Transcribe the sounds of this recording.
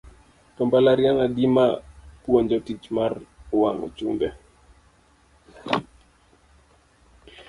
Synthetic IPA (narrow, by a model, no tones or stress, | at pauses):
tɔmbalaɾjaŋadimapwoɲd͡ʒɔtit͡ʃmarwaŋɔ̰t͡ʃṵmbɛ